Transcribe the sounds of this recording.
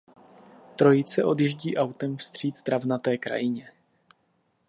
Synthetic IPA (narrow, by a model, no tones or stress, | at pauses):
t̪ɾo̞jɪt͡sɛʔo̞dɪʒɟiːʔawt̪ɛmfst̪r̝̥iːt̪z̥d̪ɾavnat̪ɛːkɾa̰jɪɲɛ